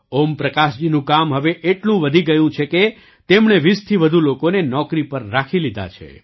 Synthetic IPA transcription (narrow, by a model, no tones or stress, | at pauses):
ompɾəkaʃd͡ʒinũkamɦəʋeʔeʈlũʋəd̪ʱiɡəjũt͡ʃʰeke | t̪emɳeʋist̪ʰiʋəd̪ʱulokonenɔkɾipəɾːakʰilid̪ʱa̰t͡ʃʰḛ